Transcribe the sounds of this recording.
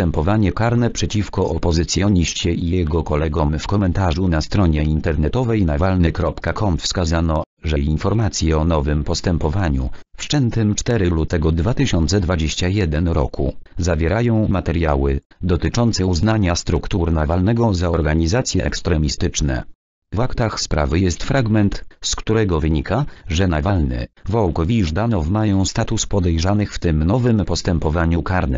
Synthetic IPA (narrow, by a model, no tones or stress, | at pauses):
t̪ɛmpɔvaɲɛkaɾnɛpʂɛt͡ɕifkɔʔɔpɔzɘt̪sʲjɔɲiɕt͡ɕɛijjɛɡɔkɔlɛɡɔmfkɔmɛnt̪aʐunast̪ɾɔɲɛint̪ɛɾnɛt̪ɔvɛjnavalnɘkɾɔpkakʰɔmfskazanɔ | ʐɛjinfɔɾmat̪sʲjɛɔnɔvɘmpɔst̪ɛmpɔvaɲṵfʂt͡ʂɛnt̪ɘmt͡ʂt̪ɛɾɘlut̪ɛɡɔd̪vat̪ɘɕɔnt̪sɛd̪vad͡ʑeɕt͡ɕajɛd̪ɛnɾɔ̰kṵzavʲjɛɾajɔ̃w̃mat̪ɛɾjawɘd̪ɔt̪ɘt͡ʂɔnt̪sɛuznaɲast̪ɾukt̪uɾnavalnɛɡɔzaɔɾɡaɲizat̪sʲjɛʔɛ̰kst̪ɾɛmʲist̪ɘt͡ʂnɛ̰ | vakt̪axspɾa̰vɘjɛst̪fɾaɡmɛnt̪skt̪uɾɛɡɔvɘɲikʰaʐɛnavalnɛ̰vɔwkɔvʲiʐd̪anɔvmajɔ̃w̃st̪at̪uspɔd̪ɛjʐanɘxft̪ɘmnɔvɘmpɔst̪ɛmpɔvaɲukaɾnɘ̰